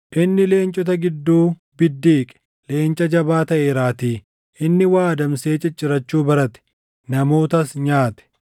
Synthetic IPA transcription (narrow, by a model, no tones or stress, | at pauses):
ʔɪnːɪle̞ːnt͡ʃʼɔt̪ɐɡɪd̪ːuː | bɪd̪ːiːkʼɛ̥ | le̞ːnt͡ʃʼɐd͡ʒɐbaːt̪ɐʔeːɾaːt̪iː | ʔɪnːɪwaːd̪ɐmse̞ːt͡ʃːɐt͡ʃʼːɪɾɐt͡ʃːuːbɐɾɐt̪ɛ̥ | nɐmo̞ːt̪ɐsɲaːt̪ɛ̥